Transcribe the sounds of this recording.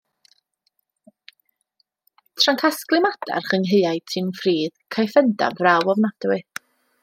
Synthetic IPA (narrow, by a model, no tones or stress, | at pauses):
tʰraŋkʰasklˠɨmad̥a̰rχəŋɦejajtʰɪmfriːðkʰajfɛnda̰vrawɔvnad̥wɨ